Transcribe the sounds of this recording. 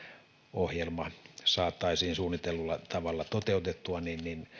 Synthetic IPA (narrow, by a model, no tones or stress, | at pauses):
ohjelmɑsɑːt̪ːɑisiːnsuːnːit̪elːulːɑt̪ɑʋɑlːɑt̪ot̪eut̪et̪ːuɑninnin